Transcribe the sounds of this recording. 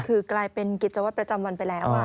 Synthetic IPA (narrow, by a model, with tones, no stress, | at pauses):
kʰɯː˧klaː˧jpe˧nki˨˩t̪̚t͡ɕa˧wa˦˥˩t̪̚pɾa˧t͡ɕa˧mwa˧npa˧jlɛː˦˥w